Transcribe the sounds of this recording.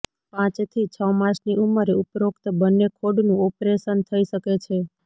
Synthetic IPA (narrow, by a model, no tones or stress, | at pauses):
pãt͡ʃt̪ʰit͡ʃʰəmãʃniʔuməɾeupɾokt̪bənːekʰoɖnũɔpɾeʃənt̪ʰəiʃəket͡ʃʰe